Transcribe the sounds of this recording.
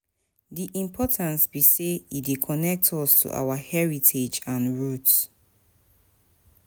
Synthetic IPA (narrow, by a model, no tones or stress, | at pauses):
diʔĩmpʰɔtʰãnsbiseidekʰɔnɛk̚tʰɔstʰṵʔa̰wahɛɹitʰed͡ʒãnɹut